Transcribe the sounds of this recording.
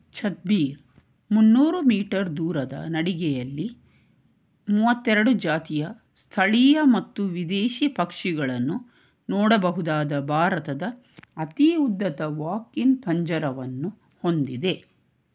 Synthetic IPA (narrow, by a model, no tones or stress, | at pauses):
t͡ʃɐt̪̚biːɾ | munːuːɾumiːʈɐɾd̪uːɾɐd̪ɐ̰nɐɽiɡɛjɐlːi | muːʋɐt̪ːɛɾɐɽud͡ʒaːt̪ijɐ | st̪ʰɐɭijɐmɐt̪ːuʋid̪eːʃipɐkʂiɡɐɭɐnːu | nɔːɽɐbɐɦud̪aːd̪ɐbʱaːɾɐt̪ɐd̪ɐ | ɐt̪iud̪ːɐt̪ɐʋaːkinpʰɐɲd͡ʒɐɾɐʋɐnːu | ho̞nd̪id̪e̞